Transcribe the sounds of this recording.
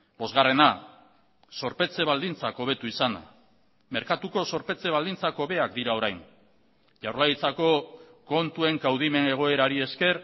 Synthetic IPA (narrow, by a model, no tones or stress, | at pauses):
bo̞zɣare̞na | so̞ɾpe̞t͡se̞βald̪int͡sako̞β̞e̞t̪uisana̰ | me̞ɾkat̪uko̞so̞ɾpe̞t͡se̞βald̪int͡sako̞βe̞akd̪iɾao̞ɾajn | ʝawɾlait͡sako̞ko̞nt̪ue̞ŋkawð̞ime̞ne̞ɣ̞o̞e̞ɾaɾie̞ske̞ɾ